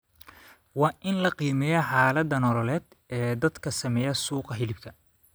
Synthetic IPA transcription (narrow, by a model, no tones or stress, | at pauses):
wɑːʔɪnlɐqiːmɛjɐħaːlɐd̪ɐnɔlɔlɛːd̪̥ | ɛːd̪ɐd̪kʰɐsɐmɛːjɐsuːqɑɦɪlɪbt̪ʰɐ